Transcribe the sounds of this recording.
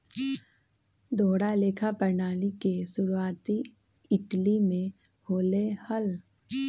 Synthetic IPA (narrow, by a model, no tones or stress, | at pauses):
d̪ʱoːɽaleːkʰapəɾnaːlikesʊɾuaːt̪i | ɪʈlimẽ | hoːlehəl